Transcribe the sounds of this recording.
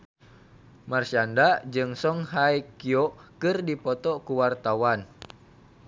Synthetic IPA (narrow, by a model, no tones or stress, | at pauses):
marsiandad͡ʒɨŋsɔŋɦajkiɔkɨrdipɔt̪ɔkuwart̪awan